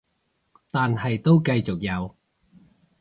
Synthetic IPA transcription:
t̪aː˨nɦɐ˨jt̪o˥wkɐ˧jt͡sʊ˨k̚jɐ˨˧w

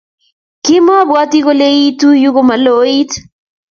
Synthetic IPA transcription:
kɪ˦ma˦bwa˦ti˦ko˦le˦i˦tu˦ju˦ko˦ma˨lo˨˦i˦t

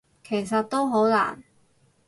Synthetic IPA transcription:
kʰe˨˩js̬ɐ˨t̚t̪o˥wɦo˨˥wla̰ː˨˩n

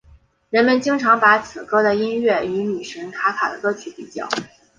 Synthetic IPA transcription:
ɻə˧˥nmə˧nt͡ɕi˥ŋʈ͡ʂʰɑ˧˥ŋpa˧˥t͡sʰɹ̩˨˩kɤ˥d̪ə˨i˥nɥɛ˥˩y˧˥ny˨˩ʂə˧˥ŋkʰa˧˥kʰa̰˨˩d̪ə̰˦kɤ˥t͡ɕʰy˧˥pi˨˩t͡ɕjɑ̰˥˩ʊ

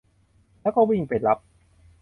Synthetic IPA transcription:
lɛː˦˥wkɔː˥˩wi˥˧˩ŋpa˨˩la˦˥p̚

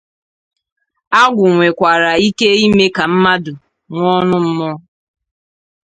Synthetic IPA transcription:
a˦ɡʷʊ˨ŋʷe˨kʷa˨ɾa˨i˦ke˦i˦me˦ka˨m̩˦ma˦dʊ˨ | ŋʷɔ˦nʊ˦m̩˦mɔ˦

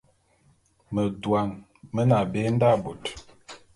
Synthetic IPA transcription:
mə˨dwa˨ŋ | mə˦na˨be˦n̩˦da˦˨bo˨t

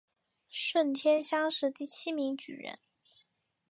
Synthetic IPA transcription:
ʂwə˥˩nt̪ʰjɛ˥nɕjɑ˥ŋʂɻ̩˥˧t̪i˥˩t͡ɕʰi˥mi˧˥ŋt͡ɕy̰˨˩ɻə̰˧˥n

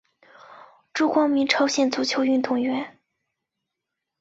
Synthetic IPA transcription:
ʈ͡ʂu˥˩kwɑ˥ŋmi˧˥ŋʈ͡ʂʰɤ˧˥ʊɕjɛ˥˩nt͡su˧˥t͡ɕʰjo˧˥ʊy˥˧nt̪ʊ˥˩ŋɥɛ˧˥n

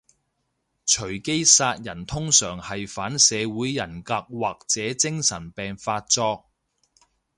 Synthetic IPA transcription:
t͡ʃʰɵ˨˩ɥke˥jsaː˧t̚jɐ˨˩nt̪ʰʊ˥ŋsœː˨˩ŋhɐ˨jfaː˨˥nsɛː˨˧wuː˨˥jːɐ˨˩nkaː˧k̚waː˨k̚t͡sɛː˨˥t͡sɪ˥ŋsɐ˨˩npɛː˨ŋfaː˧t̚t͡sɔː˧k̚

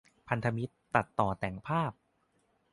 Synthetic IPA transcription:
pʰa˧nt̪ʰa˧mi˦˥t̪ːa˨˩t̪ːɔː˨˩t̪ɛː˨˩˦ŋpʰaː˥˩p̚

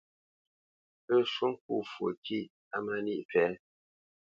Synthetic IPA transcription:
ə˦˨su˦ŋ̩˦k̚ṵ˦˨fwo˨kʰi˦˨ | a˦ma˦ni˦ʔpɛ˨˦

